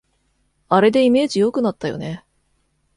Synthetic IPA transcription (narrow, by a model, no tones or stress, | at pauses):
aɾe̞d̪e̞ime̞ːd͡ʑijo̞kɯ̟nat̪ːajo̞̰ne̞